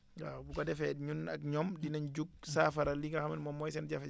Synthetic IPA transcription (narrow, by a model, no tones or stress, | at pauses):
a̰bukadɛfɛɗɲuna̰kɲɔmdinand͡ʒuɡ̚safaɾaliŋɡahamɛnmɔmːɔjsɛnd͡ʒafɛ